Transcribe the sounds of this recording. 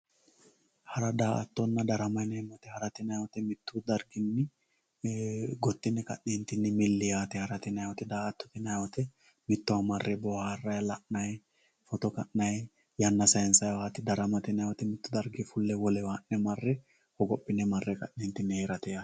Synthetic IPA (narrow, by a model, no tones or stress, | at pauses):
hɐɾɐd̪aːʔɐt̪ːɔnːɐd̪ɐɾɐmɐjnɛmɐt̪ɛhɐɾɐt̪ɪnɐjwɔt̪ɛmɪt̪ːʊd̪ɐɾɡɪnːɪ | ɡɔt̪ːɪnːɛkɐ̰ʔniːnt̪ɪnːɪmɪlːɪaːt̪ɛhɐɾɐt̪ɪnɐjwɔt̪ɛd̪aːʔɐt̪ːɔ̥t̪ɪnɐjwɔt̪ɛ | mɪt̪ːɔwɐmɐrːɛbɔwaːrːɐjlɐʔnɐj | fɔt̪ɔkɐʔnɐj | jɐnːɐsɐjɛnsɐjwaːt̪ɪd̪ɐɾɐmɐt̪ɪnɐwɔt̪ɛmɪt̪ːʊd̪ɐɾɡɪfʊlːɛwɔlɛwaːnːɛmɐrːɛ | hɔɡɔpʼːɪnːɛmɐrːɛkʼɐ̰ʔːiːnt̪ɪnːɪheːɾɐt̪ɛja